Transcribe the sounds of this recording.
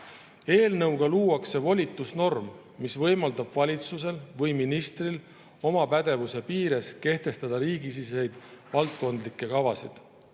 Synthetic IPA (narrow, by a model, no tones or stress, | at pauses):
e̞ːlnɤwɡ̥ɑluːɑkse̞vo̞lʲit̪ːˑusno̞rmː | isvɤ̞jmɑld̪ɑb̥vɑlʲit̪sus̬e̞lvɤjminist̪ril | o̞mɑpæd̪e̞vuse̞piːɾe̞ske̞ht̪e̞st̪ɑd̪̥ɑɾiːɡis̬ise̞jd̪̥vɑlt̪̚ko̞nd̪likːˑe̞kɑvɑsid̪̥